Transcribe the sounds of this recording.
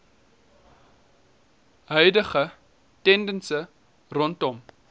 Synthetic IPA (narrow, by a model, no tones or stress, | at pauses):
ɦœɥdəχə | tɛndənsə | rɔntɔm